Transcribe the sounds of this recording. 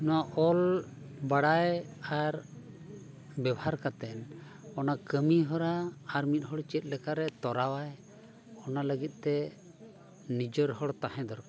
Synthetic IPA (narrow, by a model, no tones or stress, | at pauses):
nɔaʔɔl | baɽaj | aɾ | bɛbhaɾkat̪ɛn | ɔnakəmiɦɔɾaːɾmit̪̚ˀɦɔɽt͡ʃɛt̪̚ˀlɛkaɾɛt̪ɔɾawaj | ɔnaləɡit̪̚ˀt̪ɛ | nid͡ʒɔɾɦɔɽt̪aɦɛ̃d̪ɔɾka